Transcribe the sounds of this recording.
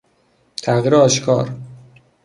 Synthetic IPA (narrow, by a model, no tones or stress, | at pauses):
t̪ʰæɣiːɾeɒːʃkʰɒ̰ːɾ